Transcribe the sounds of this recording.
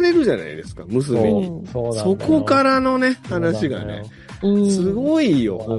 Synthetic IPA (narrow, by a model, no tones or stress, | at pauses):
ɾe̞ɾɯ̟ʑana̰ḭd̪esɨ̥kamɯ̟s̬ɨiɲ̟iso̞ko̞kaɾano̞ne̞hanaɕiɡa̰ne̞̰ | sɨɡo̞ijo̰h